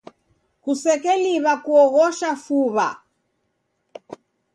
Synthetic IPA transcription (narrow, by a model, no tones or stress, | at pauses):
kusɛkɛliβakuɔɣɔʃafuβa̰